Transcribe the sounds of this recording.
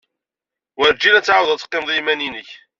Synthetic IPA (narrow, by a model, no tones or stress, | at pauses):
wəɾd͡ʒːinæt͡sːʕawðˤæt͡sːqːɪmðˤimæninəç